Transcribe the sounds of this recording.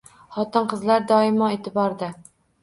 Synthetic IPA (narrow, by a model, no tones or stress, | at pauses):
χɒt̪ɨnqɨzlaɾd̪ɒɪmɑet̪ʰɪbɑɾd̪a